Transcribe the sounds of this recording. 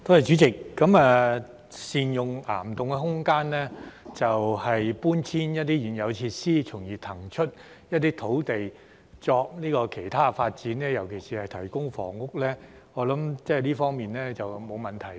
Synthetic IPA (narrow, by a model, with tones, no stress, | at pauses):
t̪ʰo˧˥hɐ˨jt͡ʃy˨˥t͡sɪ˨kːɐ˨˥maː˨˧ | siː˨njʊ˨ŋla̰ː˨˩mt̪ʊ˨ŋkɛ˧ɦʊ˥ŋkaː˥nlɛː˥t͡sɐ˨whɐ˨jpuː˥nt͡sʰiː˥njɐ˥t̚t̪iː˥jiː˨njɐ˨˧wt͡sʰi˧t̚siː˥t͡sʰʊ˨˩ŋjiː˨˩t̪ʰɐ˨˩ŋt͡ʃʰɵ˥t̚ | jɐ˥t̚t̪iː˥t̪ʰo˨˥wt̪e˨j | t͡sɔː˧k̚niː˥kɔː˧kʰe˨˩jt̪ʰaː˥faː˧t̚t͡siː˨˥nɛː˥jɐ˨˩wkʰe˨˩jsiː˨˩hɐ˨jt̪ʰɐ˨˩jkʊ˥ŋfɔ̰ː˨˩ŋʊ˥k̚lɛː˥ | ŋɔː˨˧˥lɐ˨˥mt͡sɛː˥˨liː˥fɔː˥ŋmiː˨nlɛː˥t͡sɐ˨wmo˨˧wmɐ˨˩nt̪ʰɐ˨˩j